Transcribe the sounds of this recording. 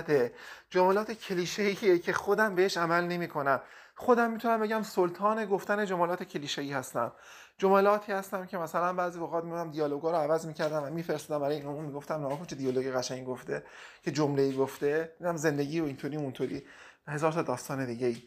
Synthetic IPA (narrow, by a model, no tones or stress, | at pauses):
t̪ed͡ʒomelɒːt̪ʰecʰeliːʃeiecʰe̞xod̪æmbeeʃæmælne̞miːkʰo̞næm | xo̞d̪æmːit̪ʰunæmbe̞ɟæmsolt̪ʰɒːne̞ɡoft̪æne̞d͡ʒomɑlɒːt̪ʰecʰeliːʃeiːhæst̪æ̰m | d͡ʒomelɒːt̪ʰiːhæst̪æmcʰe̞mæsælænbæːzioɣɒːt̪mid̪æmd̪ijɒːloɡɒːɾoævæzmiːcʰæɾd̪æmvæmiːfeɾest̪uːd̪æmbæɾɒːjeiːnomunmiɡo̞ft̪æmnɒkʰot͡ʃʰed̪ijoloɡeɣæʃæɲɡoft̪e̞ | cʰe̞d͡ʒomle̞iːɡoft̪e̞æmzend̪e̞ɟiːoint̪ʰoːɾiːunt̪ʰoɾḭː | he̞zɒːɾt̪ʰɒːd̪ɒːst̪ɒːne̞d̪iːɟeiː